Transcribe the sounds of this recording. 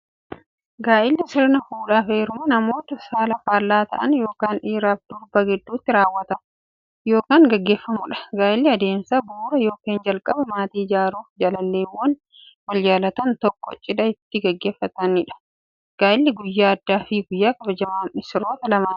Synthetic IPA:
ɡaːʔɪlːɪsɪɾnɐfuːᶑaːfeːɾʊmɐnɐmo̞ːt̪ɐsaːlɐfaːlːaːt̪ɐ̰ʔɐnjo̞ːkaːniːɾaːfd̪̥ʊɾbɐɡɪd̪ːuːt̪ːɪɾaːwːɐt̪ɐ | jo̞ːkaːŋɡɐɡːe̞ːfːɐmʊᶑɐ̥ɡaːʔɪlːɪɐd̪e̞ːmsabuːɾɐjo̞ːkeːnd͡ʒɐlkʼɐbɐmaːt̪iːɪd͡ʒaːɾuːfd͡ʒɐlɐlːeːwːɐn | wɐld͡ʒaːlɐt̪ɐnt̪ɔkːɔt͡ʃʼːɪᶑ̪ɐɪt̪ːɪɡɐɡːe̞ːfːɐt̪ɐnɪᶑɐ̥ | ɡ̥aːʔɪlːɪɡʊjːaːɐd̪ːaːfiɡʊjːaːkʼɐbɐd͡ʒɐmaːɪsɪɾo̞ːt̪ɐlɐmaː

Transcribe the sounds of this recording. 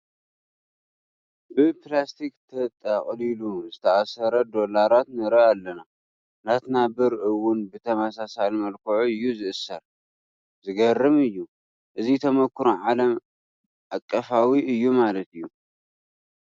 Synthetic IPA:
bɨplast̪ʰikt̪ʰɐt̪ʼːaχʼliluzɨt̪ʰɐʔasɐɾɐd̪o̞laɾat̪nɐɾɐalːɐna | nat̪nabɨɾʔɨwʊnbɨt̪ʰɐmasasalmɐlkʰɐʕuɨjːuzɨʔɨsɐɾ | zɨɡɐrːɨmɨjːu | ʔɨzit̪ʰɐmɐkʰːɾuʕalɐm | ʔakʼːɐfawiɨjːumalɐt̪ɨjːu

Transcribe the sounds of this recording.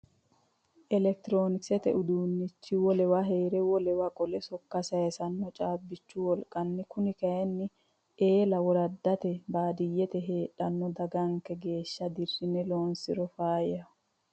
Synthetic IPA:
ʔɛlɛk̚t̪ɪɾoːnɪksɛt̪ɛʔʊd̪uːnːɪt͡ʃːɪwɔlɛwaɦe̞ːɾɛwɔlɛwakʼɔlɛsɔkːɐsɐjɛsɐnːɔt͡ʃʼaːbːɪt͡ʃːʊwɔlkʼɐnːɪkʊnɪkɐjɛnːɪ | eːlɐwɔɾɐd̪ːɐt̪ɛbaːd̪ɪjːɛt̪ɛɦe̞ːᶑɐnːɔd̪ɐɡɐŋkɛɡe̞ːʃːɐd̪ɪrːɪnɛloːnsɪ̰ɾɔfaːjɐ

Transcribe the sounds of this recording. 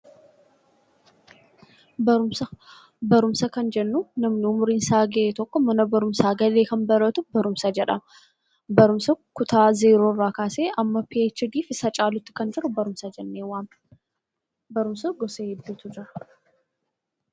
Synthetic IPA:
bɐɾʊmsɐ | bɐɾʊmsɐkɐnd͡ʒɛnːunɐmnɪʊmʊɾinsaːɡeʔet̪ɔkːɔmɐnɐbɐɾʊmsaːɡɐle̞ːkɐnbɐɾɐt̪ʊbɐɾʊmsɐd͡ʒɛᶑɐ̰ | bɐɾʊmsɐkʊt̪ʰaːzeːɾoːrːaːkaːseːʔɐmːɐpeːt͡ʃːɪd̪iːfɪsɐt͡ʃʼaːlʊt̪ːɪ̥kɐnd͡ʒɪɾʊbɐɾʊmsɐd͡ʒɛnːeːwaːm | bɐɾʊmsɐɡɔseːhɛd̪ːuːt̪ʊd͡ʒɪɾɐ

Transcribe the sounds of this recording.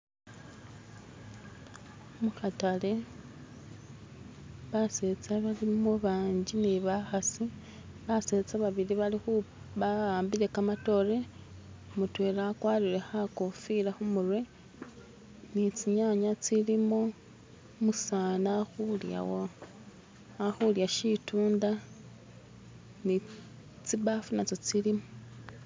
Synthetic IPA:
muxatale̞ | βaset͡saβalimoβaːɲɟiniβaxasi | βase̞t͡saβaβiɾiβalixu | βaaːmbiɾe̞kamato̞ɾe̞ | mutwe̞ːɾakwaːɾiɾe̞xako̞fiɾaxumurwe̞ | nit͡siɲaɲat͡silimo | musaːnaxulja̰wo | axuljaʃituːnda | ni | t͡siβafunat͡sot͡silimo

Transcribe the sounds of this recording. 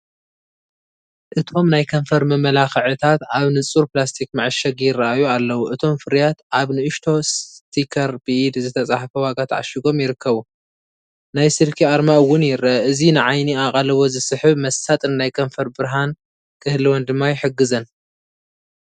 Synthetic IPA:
ʔɨt̪ʰo̞mnajkʰɐɱfɐɾmɐmɐlaxɨʕɨt̪ʰat̪ʕaβnɨt͡sʼuɾplast̪ʰikmaʕɨʃɐɡjɪrːɐʔajualːɐwuʔɨt̪ʰo̞mfɨɾjat̪ʕaβnɨɨʃt̪ʰo̞st̪ʰikʰɐɾbɨʔid̪zɨt̪ʰɐt͡sʼaħfɐwaɡat̪ʰʕa̰ʃiɡo̞mjɪɾɨkʰːɐβu | najsɨɾkʰiaɾmaɨwːʊnjɪɾɐɐɨzinɨʕajniaqʼɐlɐβo̞zɨsɨħɨβmɐsat̪ʼɨnːajkʰɐɱfɐɾbɨɾɦan | kʰɨhliwond̪ɨmːajħɨɡːɨzɐn

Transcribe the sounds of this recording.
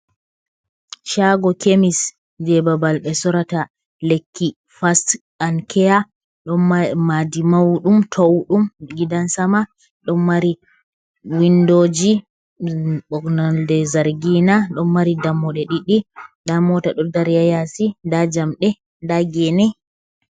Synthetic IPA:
ʃaɡɔkemis | d͡ʒɛbabalɓɛsɔɾata | lekʰːi | fast | ankʰɛja | ɗɔnmadimawɗumtʰowɗumɡidansama | ɗɔnːaɾi | windoːd͡ʒi | ɓɔknɔldɛzaɾɡinaɗɔnːaɾidamːɔɗɛɗiɗidamɔtaɗɔdaɾjajasidad͡ʒamɗɛ | daɡɛnɛ

